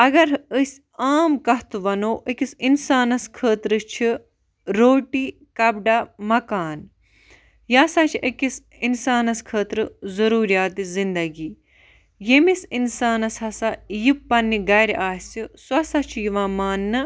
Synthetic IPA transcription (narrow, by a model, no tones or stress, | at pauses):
ɐɡɐɾəsʲ | aːmkɐɦt̪uʋɐnoːʔikisinsaːnɐskʰəːt̪ɾɨt͡ʃʰi | ɾoːʈiː | kɐbɖamɐkaːn | jaːsɐt͡ʃʰiʔɐkis | insaːnɐskʰəːt̪ɾɨzɐɾuːɾijaːt̪izind̪ɐɡiː | jemisinsaːnɐsɦɐsajipːɐnːiɡɐjɾʔaːsisɐsɐt͡ʃʰijiʋãːmaːnːɨ